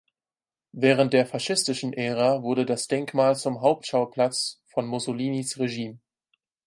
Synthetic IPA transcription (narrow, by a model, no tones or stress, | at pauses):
vɛːʁ̞ənt̚d̥eːɐfaʃɪstɪʃn̩ʔɛːʁ̞avʊɐdədasd̥ɛŋkmaːlt͡sʊmɦaʊp̚tʃaʊpʰl̥at͡sfɔnmʊsoliːnisʁeʒiːm